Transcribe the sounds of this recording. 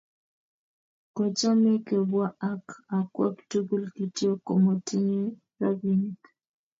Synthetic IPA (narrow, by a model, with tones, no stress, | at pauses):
ko˨t͡ʃa˦me˦ke˨bwa˦a˦ka˨kwɛ˦ktu˦ɡu˦lki˨tjo˦ko˨mo˨tʰɪ˦ɲe˦ | ɾa˦bi˦ni˨k